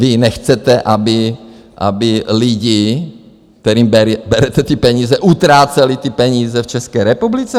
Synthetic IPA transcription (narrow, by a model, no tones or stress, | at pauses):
vɪnɛxt͡sɛt̪ɛʔabɪ | ʔa̰bɪlɪɟɪ | k̚t̪ɛɾiːmbɛɾbɛɾɛt̪ɛt̪ipɛɲiːzɛʔut̪ɾaːt͡sɛlit̪ɪpɛɲiːzɛft͡ʃɛskɛːɾɛpublit͡sɛ